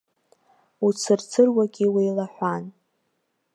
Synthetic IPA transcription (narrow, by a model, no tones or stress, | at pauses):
ut͡sʰɨrt͡sʰɨrwaɡʲiwejlaħʷan